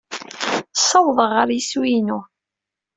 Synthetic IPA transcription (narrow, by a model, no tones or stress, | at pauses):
sɑwðˤəʁːəɾjiswinu